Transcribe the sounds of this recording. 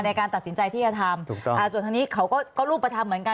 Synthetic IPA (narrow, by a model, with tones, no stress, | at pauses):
na˧jkaː˧nt̪a˨˩si˩˦nt͡ɕa˧jt̪ʰiː˥˩t͡ɕa˧˩t̪ʰa˧mʰu˨˩ɔ˥˧ʔa˨˩su˨˩nt̪ʰa˧ni˦˥˩kʰa˦˥wkɔː˥˩kɔː˥˩ɾuː˥˩p̚ːɾa˧t̪ʰa˧mːɯ˩˦ənka˧